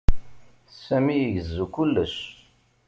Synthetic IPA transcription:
sæmijəʝəzːukʊlːəs

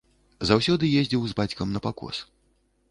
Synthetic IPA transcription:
zawsʲɔd̪ɨjezʲd͡zʲiwzbat͡sʲkɐmnɐpakɔ̰s

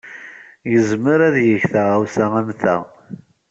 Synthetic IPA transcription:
jəzməɾæðjəçθæʁawsææmθæ̰

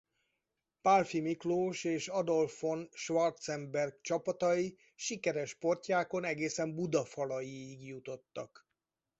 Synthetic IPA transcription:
palfimikloːʃeːʃɒd̪o̞lfo̞nʃʋɒrt̪sɛmbɛrɡ̚t͡ʃɒpɒt̪ɒji | ʃikɛɾɛʃpo̞rcaːko̞nɛɡeːsɛmbud̪ɒfɒlɒjiːɡjut̪o̞t̪ːɒk

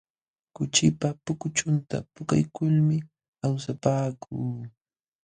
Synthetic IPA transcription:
kʊt͡ʃɪpapʊkʊt͡ʃʊnt̪a̰pʊka̰jkʊlmɪ | awsapaːkʰuː

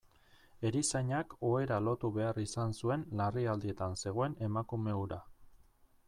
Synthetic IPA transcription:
e̞ɾisaɲako̞e̞ɾalo̞t̪uβe̞arisansue̞nlariald̪ie̞t̪anse̞ɣ̞o̞e̞ne̞makume̞uɾa

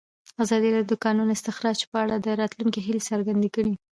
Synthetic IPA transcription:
azɑd̪ilɑd̪jod̪əkɑnunɪst̪ɪxɾɑt͡ʃpəaɽad̪əɾɑt̪luŋkiɦɪlsəɾɡand̪ekəɽi

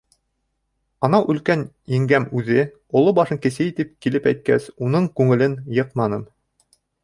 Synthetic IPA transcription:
ɑnɑʔʉ̆lkæn | jɘ̆ŋɡæmʉðɘ | ŏlˠobɑʃɤŋkɘ̆sɘjit̪ɘp̚kilɘpæjt̪̚kæ̰sunɤɴkʉŋɘ̆lɘnjɤqmɑnɤm

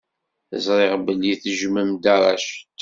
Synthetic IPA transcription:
θə̰zˤɾˤeʁbəlːiθəʒməmd̪aɾˤɑ̰ʃ

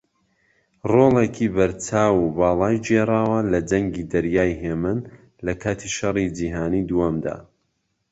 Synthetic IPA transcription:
roːlˠekʰibɐɾt͡ʃaːwubɑːlˠɑːjd͡ʒerˤaːwɐlɐd͡ʒɐŋɡid̪ɐɾjaːjɦeːmɨn | lɐkʰaːt̪ʰiʃɐrˤid͡ʒiːɦaːniːd̪uwɐmd̪a̰ː

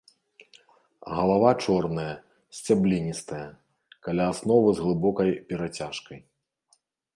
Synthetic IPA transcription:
ɣɐlˠavat͡ʂɔrnɐjɐ | sʲt͡sʲablʲinʲist̪ɐjɐ | kalʲaːsnɔvɨzɣlˠɨbɔkɐjpʲɛɾat͡sʲaʂkɐj

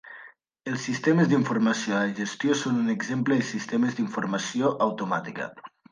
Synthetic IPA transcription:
elˠsːist̪eməzðiɱfuɾmasjoalaʒest̪josonuneɡzempləðesist̪eməzðiɱfuɾmasioʔawt̪umat̪ikə̰

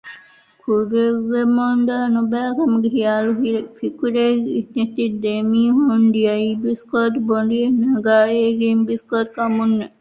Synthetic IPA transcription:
kʰuɾeʋːemond̪aːnubæːkɐmuɡeɦijaːluɦifikuɾeːɡinet̪id̪emiːɦuɳɖ̪iɐibiskoːʈ̪boɳɖienɐɡaːeːɡeːmbiskoːt̪̚kɐmunːe

